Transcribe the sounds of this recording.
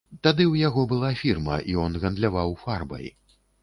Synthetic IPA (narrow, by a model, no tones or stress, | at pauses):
t̪ad̪ɨwjaɣɔbɨlˠafʲirmɐ̰ʔiɔnɣɐnd̪lʲavawfarbɐ̰j